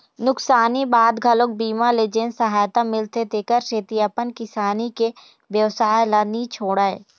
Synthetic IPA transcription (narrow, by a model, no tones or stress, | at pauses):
nʊksaːnibaːd̪ɡʱɐlok̚biːmaleːd͡ʒeːnsɐɦaːjt̪amɪlt̪et̪eːkəɾʃeːt̪iɐpənkɪsaːnike | bjəʋsaːjlanit͡ʃʰoːɽaːe